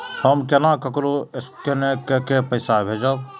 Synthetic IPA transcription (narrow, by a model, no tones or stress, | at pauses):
həmkenãːkəkɾoɪskenẽkekepəɪsaːbʱeːd͡ʒa